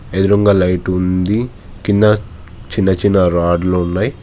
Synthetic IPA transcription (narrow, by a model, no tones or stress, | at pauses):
ed̪iɾɐŋɡaːlɐjʈund̪i | kind̪ɐ | t͡ʃinːɐt͡ʃinːɐɾaːɖlounːaːji